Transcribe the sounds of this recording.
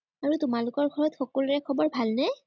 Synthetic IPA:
aɹutʊmalʊkɔɹɡʱɔɹɔtxɔkɔlʊɹɛkʰɔbɔɹbʱalnɛ

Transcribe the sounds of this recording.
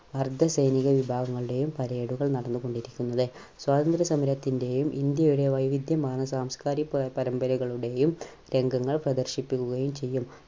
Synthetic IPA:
ɐrd̪ʱɐsɐjniɣɐʋibʱaːɡɐŋːɐɭuɽe̞jumpɐɾeːɽuɣɐɭnɐɽɐnːuɣo̞ɳɖiɾikʲːunːɐðɨ | swaːd̪ɐnd̪ɾɐsɐmɐɾɐt̪ːinde̞jumʔind̪jɐjuɽe̞ʋɐjʋid̪jɐmaːnɐsaːmskaːɾipɐɾɐmbɐɾuɣɐɭuɽe̞jum | ɾe̞ŋɡɐŋːɐɭprɐd̪ɐrɕipːikʲːuɣɐjumt͡ɕe̞jːum

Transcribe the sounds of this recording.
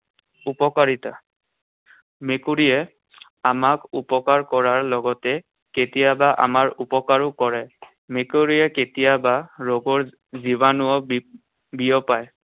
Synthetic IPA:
upɔkaɹita | mekuɹijɛ | amakupɔkaɹkɔɹaɹlɔɡɔtɛ | ketijabaʔa̰maɹupɔkaɹʊkɔɹɛ | mekoɹijɛketijabaɹoɡɔɹ | zibanʊɔ | bijɔpaj

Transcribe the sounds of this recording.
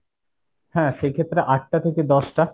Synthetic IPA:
hɛ̃ːʃejkʰet̪ːɾeʔaʈ̚ʈat̪ʰeked̪ɔʃʈa

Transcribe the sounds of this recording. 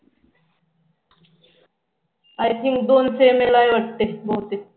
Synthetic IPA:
ajt̪ʰĩŋkd̪onseːmelajʋɐʈːeboːt̪e

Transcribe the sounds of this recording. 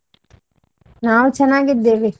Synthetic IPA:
naːʋt͡ʃɐnaːɡid̪eːʋi

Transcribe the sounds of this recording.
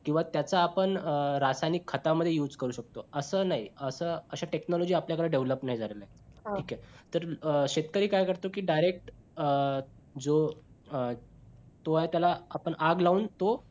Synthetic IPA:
kĩw̃ʋat̪jat͡saːpəɳəɾasajnikʰːət̪aməd̪ʱjejuːd͡zkəɾuːɕək̚t̪oəsəːnaɦiəsəːəɕaʈeknɔlɔd͡ʑiːapljakəɾaɖeʋləpnaɦid͡zʱalelaeɦʈʰiːkɛt̪əɾɕet̪kəɾiːkajkəɾt̪okiːɖajɾek̚ʈ | d͡zo | t̪oɦat̪jalaːpəɳaɡlauːnt̪o

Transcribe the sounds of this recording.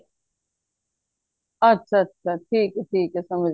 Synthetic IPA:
ɐtːɕʰaɐtːɕʰaʈʰiːkɛʈʰiːkɛsɐməd͡ʒ

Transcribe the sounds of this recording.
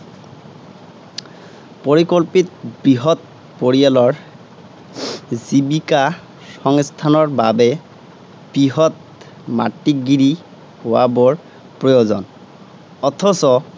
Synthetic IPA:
poɹikolpitbɹiɦɔt̚ | poɹijalɔɹ | zibika | xɔŋst̪ʰanɔɹbabɛ | b̥ɹiɦɔt̚ | ma̰tːiɡiɹi | howabɔɹ | pɹɔjozɔ̰n | ɔt̪ʰɔsɔ

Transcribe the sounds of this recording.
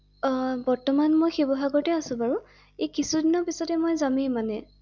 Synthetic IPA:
bɔɹtɔmanmojxebɔɦaɡɔɹtɛasʊ̃baɹʊ̃ | ejkisudinɔɹpisɔtɛmojzamĩmanɛ

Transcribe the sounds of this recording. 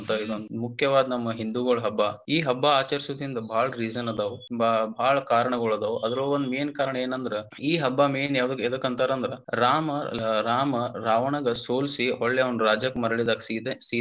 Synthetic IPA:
nt̪ɐid̪ond̪mukʰjɐʋaːd̪nɐmːɐɦind̪uɡoɭɦɐbːaiːɦɐbːaaːt͡ʃɐɾisuʋd̪ind̪ɐbʱaːɭɐɾiːd͡ʒɐnɐd̪ɐʋbbʱaːɭɐkaːɾɐɳɐɡoɭɐd̪ɐʋʔɐd̪ɐɾɐond̪meːnkaːɾɐɳɐeːnɐnd̪ɐɾe | iːɦɐbːameːnjaːʋɐd̪ɐkːed̪ɐkːɐnt̪aːɾɐnd̪ɐɾeɾaːmɐɾaːmɐɾaːʋɐɳɐɡɐsoːlsiɔɭːeɐʋɐnɾaːd͡ʒɐkːmɐɾɐɭid̪aːksit̪esi

